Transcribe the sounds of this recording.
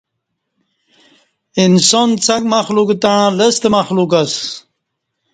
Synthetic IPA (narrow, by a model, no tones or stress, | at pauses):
insont͡sʰakmaxlukt̪aɻ̃ləst̪emaxlukas